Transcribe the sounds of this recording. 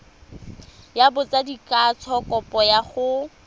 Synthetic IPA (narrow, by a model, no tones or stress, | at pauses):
jabʊt͡sadikʼat͡sʰɔkʼɔpʼɔjaχʊ